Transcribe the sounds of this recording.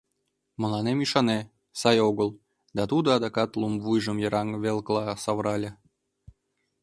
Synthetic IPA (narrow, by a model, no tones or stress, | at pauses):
mə̆lɑnemiʃɑne | sɑjoɣəl | d̪ɑt̪ud̪oɑd̪ɑkɑt̪lˠumvujʒəmjəɾɑŋβelklˠɑsɑvɾɑlʲə